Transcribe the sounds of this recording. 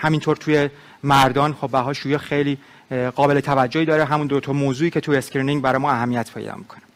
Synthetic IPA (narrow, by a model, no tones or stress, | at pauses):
hæmint̪ʰoɾt̪ʰuje̞ | mæɾd̪ɒːnχobbæɦɒːʃuːjɛxejliː | ɢɒːbe̞le̞t̪ʰævæd͡ʒːohiːd̪ɒːɾeɦæmund̪ot̪ʰɒmoːzuːiːcʰe̞t̪ʰueskɾiniŋɡbæɾɒːjmɒæɦæmːijæt̪pʰḛj̰d̪ɒ̰mːḭkʰo̥næ̥